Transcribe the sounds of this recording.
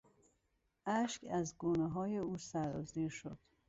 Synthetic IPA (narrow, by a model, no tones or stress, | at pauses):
ʔæʃkæzɡuːneɦɒːje̞uːsæɾɒːziːɾʃod̪̥